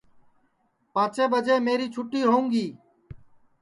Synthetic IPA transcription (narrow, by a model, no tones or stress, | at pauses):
pãːt͡ʃʰeːbəd͡ʒeːmeːɾiːt͡ʃʰʊʈːiːɦoːũːŋɡiː